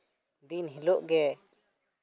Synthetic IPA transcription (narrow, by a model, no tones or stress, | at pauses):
d̪inɦiloʔɡɛ